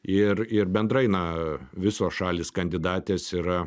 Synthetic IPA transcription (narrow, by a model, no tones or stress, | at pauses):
ɪrɪɾbʲɛnd̪ɾɐɪnɐʋʲɪsoːsʃɑːlʲiːskɐnʲd̪ʲɪd̪ɑːt̪ʲeːsiːɾɐ